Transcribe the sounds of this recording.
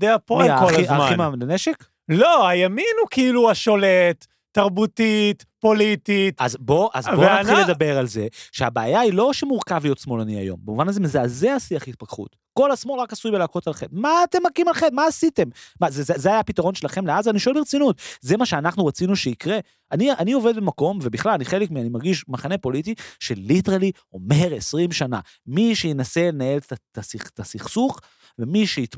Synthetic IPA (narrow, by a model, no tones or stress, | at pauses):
d̪eapoaoiamaχimaleneʃek | loajaminukiiluaʃo̞let̪ː | aʁbut̪it̪ | po̞lit̪itazbo̞ʔa̰znaχilːed̪abe̞ʁalze̞ʃeabaːjailo̞ʃemuʁkavlijo̞t̪smo̞lania̰jo̞̰mbemuvanazemizeːzeasiaχhit̪̚pakχṵt | ko̞lasmolʁakasujbelaːko̞talχetmaːt̪e̞mːakimalχedmaːsite̞mmazeezeajapitaʁo̞nʃe̞laχe̞mleazaniʃoelbit͡sinut̪ze̞maʃeanaχnuʁat͡sinuʃeikʁe̞ | ʔaniʔanio̞ve̞d̪̚bemako̞mve̞biχlalaniχe̞lekmianimaʁɡiʃmaχane̞po̞litiʃelːit̪ali | o̞me̞ʁesʁimʃana̰ | miʃejenase̞lenae̞lt̪at̪asiχt̪asiχsuχ | ve̞miʃeit̪